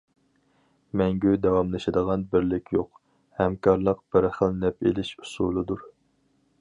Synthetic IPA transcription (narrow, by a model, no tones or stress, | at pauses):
mɛŋɡʲyd̪ɛwɑmlˠɨʃɪd̪əʁɑnbɪɾlɪkʲʰjoq | hɛmkʰɑɾlˠəq̚b̥ɪɾχəlnɛpʰḛlɪʃu̥sulˠɨd̪uɾ